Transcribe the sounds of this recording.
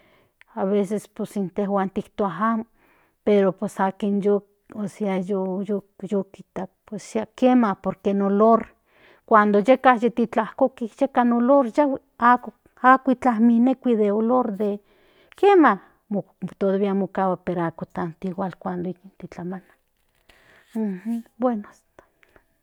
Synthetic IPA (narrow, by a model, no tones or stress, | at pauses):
aβesesposint̪ehwaːnt̪ikt̪oaɦaːmo | peɾopesaːkinjo | osiajojojokit̪ak̚pesakemahpoɾkenoloɾ | kʷand̪ojekahjet̪it͡ɬahkokihjekanoloɾjaw | ak | akʷit͡ɬahminekʷiðeoloɾd̪e | kema | mo | t̪oðaβiamokawapeɾakot̪ant̪iwalkʷand̪oikint̪it͡ɬamana | h̩bwenoast̪ḁ